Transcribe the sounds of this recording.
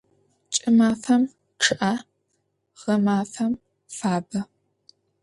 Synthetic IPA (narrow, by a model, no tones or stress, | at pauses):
t͡ʃʼɪmaːfɐm | ʈ͡ʂʰɨʔa | ʁ̥ɐmaːfɐm | faːbɐ